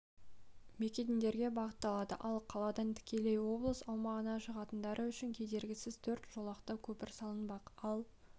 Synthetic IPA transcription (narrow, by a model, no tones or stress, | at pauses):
mekʲed̪ind̪e̞ɾɡʲe̞bɑʁət̪ːɑlˠɑd̪ə̰ʔɑlˠqʰɑlˠɑd̪ɑnt̪ʰɪ̥kʲe̞lejwo̞blˠəsɑlˠmɑʁənɑʃəʁɑt̪ənd̪ɑɾʔəʏʃɪŋkʲʰed̪e̞ɾɡʲɪsɪzt̪ʰɵɾt̪ʒ̥o̞lˠɑqt̪ɑkʲʰɵpɪɾsɑlˠənbɑqɑlˠ